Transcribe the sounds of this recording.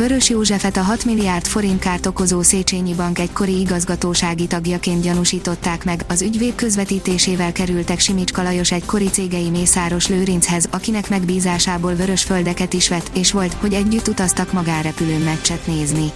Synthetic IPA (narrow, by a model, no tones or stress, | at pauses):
vø̞ɾø̞ʃjoːʒɛfɛt̪ɒɦɒt̪milːijaːrt̪fo̞ɾint̪kaːrt̪o̞ko̞zoːseːt͡ʃeːɲibɒŋkɛɟko̞ɾiiɡɒzɡɒt̪oːʃaːɡit̪ɒɡjɒkeːnt̪̚ɟɒnuʃiːt̪o̞t̪ːaːkmɛɡɒzyɟveːt̪̚kø̞zvɛt̪iːt̪eːʃeːvɛlkɛɾylt̪ɛkʃimit͡ʃkɒlɒjo̞ʃɛɟko̞ɾit̪seːɡɛjimeːsaːɾo̞ʃløːɾinshɛzɒkinɛkmɛɡbiːzaːʃaːboːlvø̞ɾø̞ʃfø̞ld̪ɛkɛt̪iʃʋɛt̪ːeːʃʋo̞lt̪ho̞ɟɛɟːyt̪ːut̪ɒst̪ɒkmɒɡaːnrɛpyløːmɛt͡ʃːɛt̪neːzni